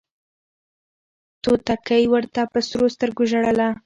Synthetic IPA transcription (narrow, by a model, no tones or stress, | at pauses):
t̪ot̪akajwəɾt̪apəsɾost̪əɾɡoʒaɽəla